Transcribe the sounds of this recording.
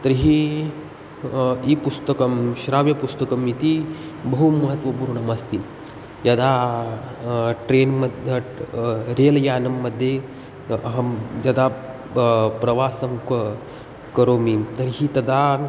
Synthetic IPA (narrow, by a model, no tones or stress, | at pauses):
t̪ɐɾɦiː | iːpust̪əkɐmɕɾaʋjɐpust̪ɐkɐmit̪ibɐɦumɐɦət̪ʋɐpuɾuɳɐmɐst̪i | jɐd̪a | ʈɾenmɐd̪ | ɾeljaːnɐmːəd̪ʱːje | ɦɐjɐd̪a | pɾɐʋasɐmk | kɐɾomit̪ɐɾɦiːt̪ɐd̪ʱa